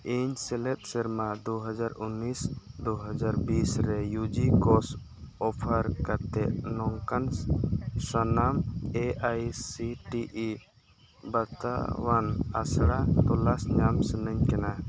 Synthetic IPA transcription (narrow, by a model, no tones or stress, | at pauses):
iɲsɛlɛp̚səɾmad̪uɦad͡ʒaɾunːisd̪uɦəd͡ʒaɾbisɾɛjud͡ʒikɔs | ɔpʰəɾkat̪ɛʔnɔŋkan | sɔnameʔajsiʈiʔi | baɾt̪a̰wana̰sɽat̪ɔlasɲamsənəɲkana